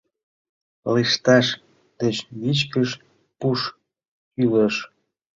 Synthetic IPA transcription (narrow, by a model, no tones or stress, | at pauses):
liʃt̪ɑʃ | d̪̥et͡ɕβit͡ɕkəʃ | puʃ | kyləʃ